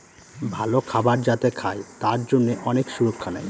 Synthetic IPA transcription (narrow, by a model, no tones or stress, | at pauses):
bʱalokʰabaɾd͡ʑat̪ekʰaet̪aɾd͡ʑonːeʔɔnekʃuɾokʰːanɛ̰j